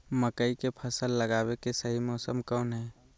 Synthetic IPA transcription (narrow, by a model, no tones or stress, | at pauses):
məkəikepʰəsəlːəɡaːwekesɐɦimɔːsəmkɔːnɦɛː